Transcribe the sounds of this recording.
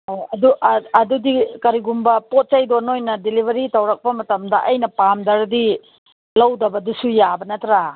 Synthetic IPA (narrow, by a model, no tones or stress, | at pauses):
hojɐduʔɐdudikɐɾiɡumbɐpot̚t͡ʃajdonojnɐdilibʱɐɾitɐwɾɐk̚pɐmɐtɐmdɐʔɐjnɐpamdɐɾdi | lɐwdɐbɐdusujabɐnɐtɾa